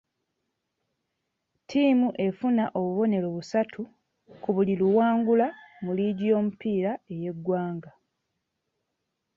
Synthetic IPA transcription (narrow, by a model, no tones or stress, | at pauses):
tʰiːmuʔe̞funaʔo̞βuβo̞ne̞lo̞βusatʰu | kuβuliluwaːŋɡulamuliɟo̞ːmupiːɾae̞je̞ɡwaːŋɡa